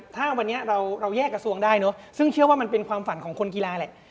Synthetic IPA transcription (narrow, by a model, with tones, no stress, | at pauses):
t̪ʰaː˥˩wa˧nːi˦˥ɐɾa˧wɾa˧wjɛː˥˩kːɾa˧su˧əŋdaː˥˩jnɔ˦˥sɯ˥˩ŋt͡ɕʰɯ˥˩ɐwaː˥˩ma˧npe˧nkʰwaː˧mfa˨˩˦nkʰɔː˩˦ŋkʰo˧nki˧laː˧lɛ˨˩ʔ